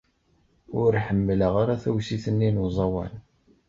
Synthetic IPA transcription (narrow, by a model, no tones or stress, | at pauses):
ʊɾħəmːləʁaɾaθæwsiθənːinuzˤɑwæ̰n